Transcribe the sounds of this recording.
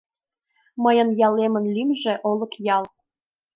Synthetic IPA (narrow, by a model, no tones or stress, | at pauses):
mɤjɤ̆njɑlemə̆nlymʒĕʔolˠɤ̆kjɑlˠ